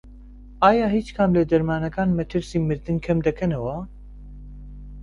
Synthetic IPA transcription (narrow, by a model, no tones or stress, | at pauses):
aːjaːɦiːt͡ʃkʰaːmlɛd̪ɐɾmaːnɐkaːnmɛt̪ʰɨɾsiːmɨɾd̪ɨnkʰɛmd̪ɐkʰɛnɐwɐ